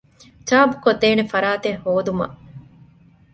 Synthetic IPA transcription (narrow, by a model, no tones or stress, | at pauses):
t͡ʃaːbukod̪ːeːnefɐɾaːt̪ehːoːd̪umɐ̰ʔ